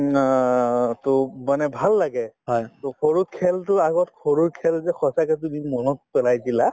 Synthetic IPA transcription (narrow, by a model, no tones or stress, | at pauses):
tɔmanɛbʱalːaɡɛɦɔjtɔkʰoɹut̚kʰɛltʊaɡɔtkʰoɹuɹkʰɛlzɛxʰɔsakɛt̬umimɔnɔt̚pɛlajdila